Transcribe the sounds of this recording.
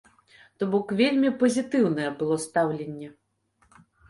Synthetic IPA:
t̪ɔbɔkvʲelʲmʲipɐzʲit̪ɨwnɐjɛbɨlˠɔst̪awlʲenʲːɛ

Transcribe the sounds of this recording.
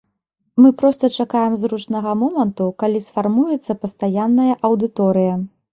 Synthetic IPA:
mɨpɾɔst̪ɐt͡ʂakajɛmzɾut͡ʂnɐɣɐmɔmɐnt̪ukalʲisfarmujɛt̪sːɐpɐst̪ajanːɐjɐʔɐwd̪ɨt̪ɔɾɨjɐ

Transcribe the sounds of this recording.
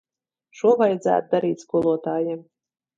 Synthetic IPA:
ʃuɔvajd̪zæ̰ːt̪̚d̪aɾiːt̪ʲskuɔlˠuɔt̪ɑːje

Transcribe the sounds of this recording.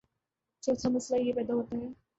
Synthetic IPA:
t͡ʃoːt͡ʃʰamɐslajepɛːd̪aɦoːt̪aɦɛː

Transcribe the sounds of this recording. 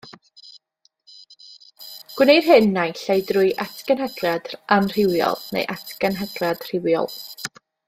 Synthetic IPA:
ɡ̥wɪner̥ɦɨnːajɬajdrʊjʔatʰkənɦəɡrad̥anr̥ɪwjɔ̰lˠnḛjʔatʰkənɦəɡrad̥r̥ɪwjɔ̰lˠ

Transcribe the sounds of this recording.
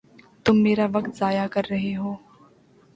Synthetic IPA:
t̪ʊmːeːɾaʋɐk̚t̪zaːjakɐɾːɐɦeɦoː

